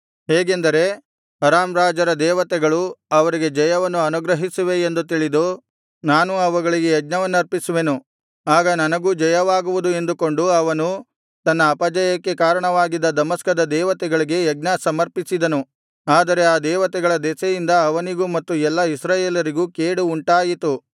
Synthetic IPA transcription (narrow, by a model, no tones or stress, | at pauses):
ɦeːɡe̞nd̪ɐɾe̞ | ɐɾaːmɾaːd͡ʒɐɾɐd̪ɛːʋɐt̪ɛɡɐɭuɐʋɐɾiɡe̞d͡ʒɐjɐʋɐnːuɐnuɡɾɐɦisuʋe̞ːnd̪ut̪iɭid̪u | naːnuɐʋɐɡɐɭiɡejɐɡ̚nɐʋɐnːuɐɾpisuʋe̞nu | aːɡɐnɐnɐɡuːd͡ʒɐjɐʋaːɡuʋud̪ue̞nd̪uko̞ɳɖuɐʋɐnu | t̪ɐnːɐːpɐd͡ʒɐjɐkːe̞kaːɾɐɳɐʋaːɡid̪ːɐd̪ɐmɐskɐd̪ɐd̪ɛːʋɐt̪ɛɡɐɭiɡe̞jɐɡnɐsɐmɐɾpisid̪ɐnu | aːd̪ɐɾe̞aːd̪ɛːʋɐt̪ɛɡɐɭɐd̪ɛːsɐjind̪ɐːʋɐniɡumɐt̪ːuɛlːɐisɾaːjeːlɐɾiɡuːkeːɽuːɳʈaːjit̪u